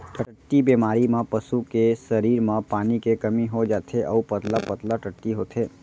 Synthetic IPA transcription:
ʈʰəʈːibeːmaːɾimãpəsukesəɾiːɾmãpaːnikekɐmiɦod͡ʒaːt̪ʰeʔəupət̪lapət̪laʈəʈːiɦoːt̪ʰeː

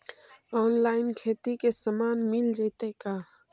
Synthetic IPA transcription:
ɔːnlaːɪnkʰeːt̪ikesəmaːnmɪld͡ʒaːt̪ekaː

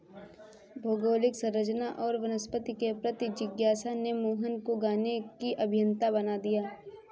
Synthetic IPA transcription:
bʱoːɡoːlɪksɐ̃ɾəd͡ʒnaʔɔːɾʋɐnəspət̪ikepɾət̪id͡ʒɪɡjaːsanemoːɦənkoɡaːnekiʔɐbʱɪjə̃nt̪abɐnad̪ijaː

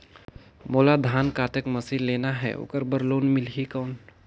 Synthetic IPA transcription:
moːlad̪ʱaːnkaːt̪əkməsilːeːnaɦɛ̰o̰ːkəɾbəɾloːnmɪlɦikəːn

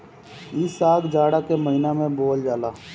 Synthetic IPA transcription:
isaːɡd͡ʒaːɽakeməɦɪnamẽboːld͡ʒaːlaː

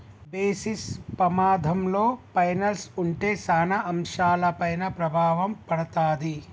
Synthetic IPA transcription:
beːsispɾɐmaːd̪ʱɐmloːpɐjnɐlsuɳʈeːsaːnɐɐmʃaːlɐpɐjnɐpɾɐbʱaːʋɐmpɐɽɐt̪aːd̪i

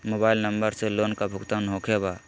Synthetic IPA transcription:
mobailnəmbəɾselonkabʱʊɡt̪anɦokʰeba

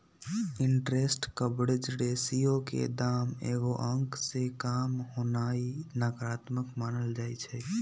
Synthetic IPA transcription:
ɪ̃ɳʈɾeːsʈkəbɽɪd͡ʒɾeːsijõkḛd̪aːmḛːɡoʔə̃ŋksekaːmɦoːnaːinaːkɾaːt̪məkmaːnəld͡ʒaːit͡ʃʰɛː

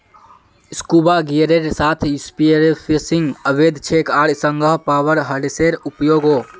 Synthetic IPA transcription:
skuːbaɡiɾeɾsaːt̪ʰjuspieɾepʰsɪ̃ŋɡəʋeːd̪ʱt͡ʃʰeːkaːɽsə̃ŋɡʱəɦpaːʋəɾɦɐɽseɾʊpjoːɡoː

